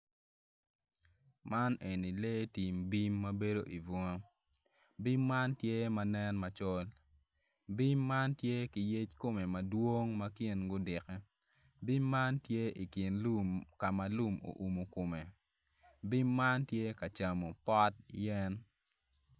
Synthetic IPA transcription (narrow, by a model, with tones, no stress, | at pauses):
ma˦ne˨ni˨le˦ti˨mbi˦mːɐ˦be˦do˦ʔi˨vɔ˦ŋa˦ | bi˦mːa˦ntje˦mɐ˦nɛ˦nmɐ˨t͡ʃɔ˦l | bi˦mːa˦ntje˦ki˨je˦t͡ʃko˦me˨mɐ˨dwo˦ŋmɐ˦kɪ˦nɡʊ˦dɪ˨kɛ˦ | bi˦mːa˦ntje˦i˨kɪ˨nlu˦˨mka˨ma˨lu˦mo̰˨ʔu˨mo˨ko˨me˨ | bi˦mːa˦ntje˦kɐ˨t͡ʃa˨mo˨pɔ˦t̚jɛ˦n